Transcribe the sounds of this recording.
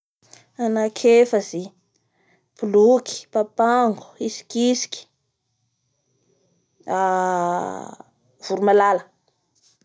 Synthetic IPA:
anakʰefəzi | pulukʰi̥papaŋɡu̥isi̥kʲisi̥ki̥ | a | v̥uɾumalalə

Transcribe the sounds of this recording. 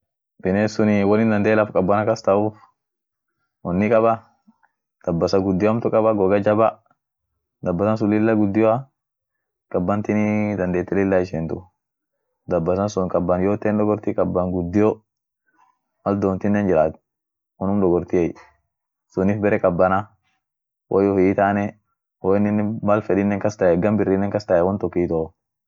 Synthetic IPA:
bɪneːsʊnɪwɔnɪnd̪ɐnd̪eːlɐfkʼɐbːɐnɐkɐst̪ɐuːf | wɔnːɪkʼɐbɐ | d̪̥ɐbːɐsɐɡʊd̪ːɪjɐmt̪ʊkʼɐbɐɡɔɡɐd͡ʒɐbɐ | d̪ɐbːɐsɐns̬ʊlɪlːɐɡʊd̪ːɪjɔa | kʼɐbːɐnt̪ɪnɪd̪ɐnd̪eːt̪ːɛlɪlːɐɪʃɛnt̪ʊ | d̪ɐbːɐsɐnsʊŋkʼɐbːɐnjoːt̪ːɛnd̪ɔɡɔɾt̪ɪkʼɐbːɐŋɡʊd̪ːɪjɔ | mɐld̪oːnt̪ɪnːɛnd͡ʒɪɾaːt̪ | ɔnʊmdɔɡɔɾt̪ɪɛj | sʊnɪfbɛɾɛkʼɐbːɐna | wʔjɔfɪːt̪aːnɛ | wɔɪnːɪnːɛmɐlfɛɗɪnːɛŋkɐst̪ɐɛɡɐmbɪrːɪnːɛŋkɐst̪ɐjɛwɔnt̪ɔkːit̪ɔ

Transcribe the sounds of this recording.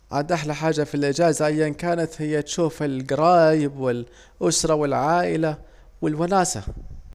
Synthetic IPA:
ʕad̪ʔaħlaħaːd͡ʒːafilʔɪd͡ʒaːzaʔajːankaːnat̪hɪjːat̪ʃuːfɪlɡɑɾˤɑːjɪbwɪl | ʔʊsɾˤɑwɪlʕaːʔɪla | wɪlwanaːsa̰

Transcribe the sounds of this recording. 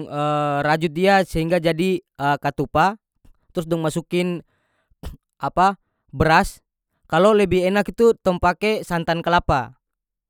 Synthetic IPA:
əɾad͡ʒut̪̚diasəɦiŋɡad͡ʒadi | əkat̪upa | t̪ɾus̬dɔŋmasukɪn | ʔapa | bəɾas | kalolɛbiɦɛnakit̪ut̪ɔŋpakɛsant̪ankəlapa

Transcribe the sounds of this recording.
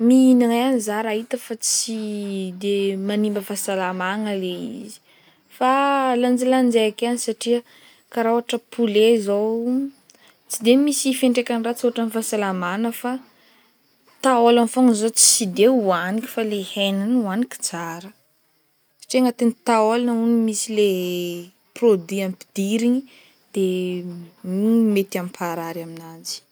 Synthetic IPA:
miinaŋaanizaɾait̪əfat͡sid̪emanimbəfasalamaŋəleḭzi̥ | faland͡ʒiland͡ʒeakanisaʈ͡ʂiə | kaɾawaʈ͡ʂəpʰulezo | t͡sid̪emisifeɳʈ͡ʂekanirat͡sioaʈ͡ʂanifasalamanəfa | t̪aolanfoŋzot͡si̥sid̪euanikʲi̥falehenanuanikʲi̥t͡saɾə | sḁʈ͡ʂieŋət̪enit̪aolanəunimisile | prod̪wiampi̥d̪̥iɾiɲi | d̪̥e | met̪ampʰaɾaɾaminad͡zi̥

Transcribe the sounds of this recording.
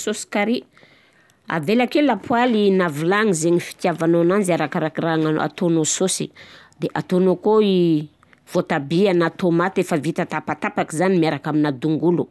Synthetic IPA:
sosi̥kaɾi | a̰velakelapʰwalinavilaŋizeɲifi̥t̪javanoananziaɾakaɾakiraŋa̰a̰t̪onososḭd̪eʔat̪onokoi | v̥ot̪abianat̪omat̪efəvit̪at̪apat̪apakizanimiaɾakaminad̪uŋɡulu

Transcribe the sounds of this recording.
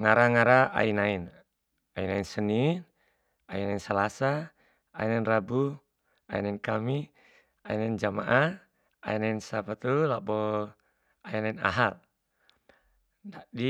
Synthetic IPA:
ŋaɾaŋaɾaa̰inain | ainainsənin | ainainsalasa | a̰inainrabu | aḭnainkami | ainaind͡ʒama̰ʔa | a̰inainsapat̪ulabɔ | ainaina̰ɦal | dadi

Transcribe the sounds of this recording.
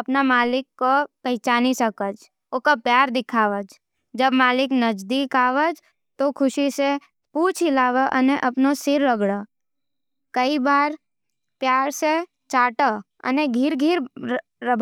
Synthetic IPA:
ɐpnamaːlɪkːopəɦt͡ʃaːnisəkəd͡ʒ | okapjaːɾd̪ɪkʰaːʋəd͡ʒ | d͡ʒəbmaːlɪknəd͡ʒd̪ikaːʋəd͡ʒ | t̪okʰʊʃise | puːt͡ʃʰɪlaːʋəʔəneʔɐpnosɪɾːəɡɽə | kəibaːɾ | pjaːɾse | t͡ʃaːʈə | ə̰neɡʱɪɾɡʱiɾ | ɾəbʱ

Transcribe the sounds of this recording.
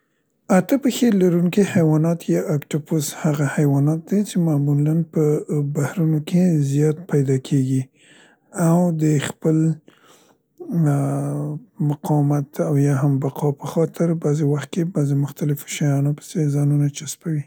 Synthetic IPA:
at̪əpəxelaɾuŋkehajwɑnɑt̪jɑʔakʈoposhaɣahajwɑnɑt̪̚d̪et͡ʃemamulanpəbahɾunokezijɑt̪̚pajd̪ɑkʰeɡi | awd̪əxpəl | mʊqɑwmat̪awjɑɦambaqʰɑpəxɑt̪ɪɾbazewaxt̪̚kebazemʊxt̪alɪfo̥ʃajɑnopə̥sezɑnunat͡ʃaspawi

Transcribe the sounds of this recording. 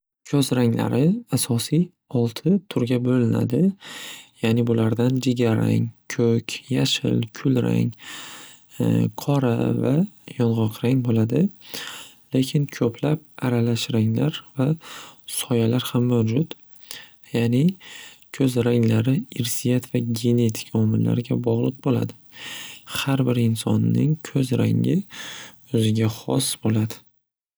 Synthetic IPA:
kʰɵzɾaŋla̰ɾɪasɒsij | ɒlˠt̪ʰɪt̪ʰʊɾɡʲabolɪna̰d̪ɪ | jaːnɪbʊlaɾd̪and͡ʒeɡʲaɾa̰ŋʲkʲʰɵkʲʰjaʃɪ̰lkʲʰʊlɾa̰ŋ | qʰɒɾavajɒnʁɒqʰɾaŋbolad̪ɪ | lekʲʰɪnkʲʰɵpʰlap̚aɾalaʃɾaŋlaɾvasɒjalaɾhamːawd͡ʒʊt̪ | janɪkʰɵzɾaŋlaɾɪɪɾsijat̪vaɡʲe̞ne̞t̪ʰɪ̥kʲʰaɒmɪlla̰ɾɪɡʲabɒʁlˠɨq̚bola̰d̪ɪ | haɾbɪɾɪnsɒ̰nːɪŋkʲʰɵzɾa̰ŋʲɪ | ɵzɪɡʲaχɒ̰sbolad̪ɪ

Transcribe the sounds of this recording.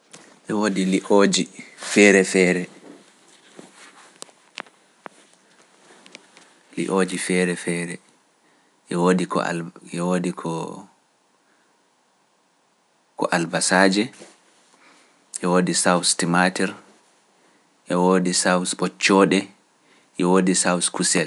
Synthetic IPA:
ʔɛwoːdiliʔod͡ʒifɛɾɛfɛːɾɛ | lḭʔoːd͡ʒifɛːɾɛfɛːɾɛ | ʔɛwoːdikɔ̰ɛwoːdikʰɔ | kɔ̰ʔalbasaːd͡ʒɛ | ʔɛwoːdisawstimatɛɾ | ʔɛwodisawsɓɔt͡ʃːɔɗɛ | ʔɛwoːdisawskusɛl

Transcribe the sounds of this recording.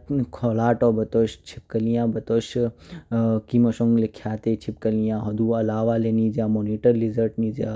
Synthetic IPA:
kʰoːlaːʈoːbɐt̪oʃt͡ʃʰip̚kɐlijãːbɐt̪oʃ | kimɐʃõŋɡlikʰjaːt̪et͡ʃʰipkɐlijãːɦɐd̪uːɐlaːʋaːleniːd͡ʒaːmoːniːʈɐɾlizəɾʈniːd͡ʒa

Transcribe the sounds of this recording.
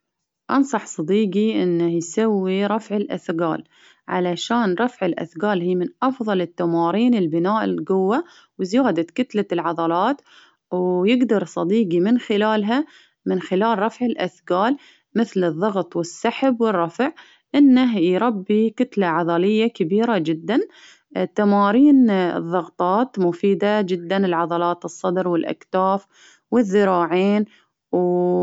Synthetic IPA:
ʔɑ̰nsˤɑħsˤɑd̪iːɡiʔɪnːahjsawːiɾˤɑfʕɪlʔa̰θɡaːl | ʕa̰laʃaːnɾˤɑfʕɪlʔa̰θɡaːlhiːmɪnʔɑfðˤɑlɪt̪ːamɑːɾiːnɪlbɪnaːʔɪlɡʊwːa | wzɪjaːd̪akʊt̪lalʕɑðˤɑlɑːt̪ | wjɪɡd̪ɑɾˤsˤɑd̪iːɡimɪnxɪlaːlɦa | mɪnxɪlaːlɾˤɑfʕɪlʔaθɡaːl | mɪθlɨðˤːɑɣt̪ˤwɪsːaħbwɪrˤːɑfʕ | ʔɪnːaɦjɾˤɑbːikʊt̪laʕɑðˤɑlɪjːakabiːɾad͡ʒɪd̪ːan | t̪amɑːɾiːn̰ðˤːɑɣt̪ˤɑːt̪mʊfiːd̪ad͡ʒɪd̪ːanɪlʕɑðˤɑlɑːt̪ɨsˤːɑd̪ɾwɪlʔa̰kt̪aːf | wɪðːɪɾɑːʕeːn | w

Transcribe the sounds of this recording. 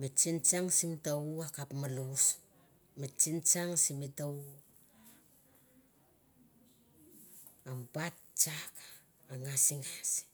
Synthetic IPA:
met͡ʃint͡ʃaŋsimitauakapmalus | met͡ʃint͡ʃaŋsimitau | ambat̚ | t͡ʃaka | aŋasiŋas

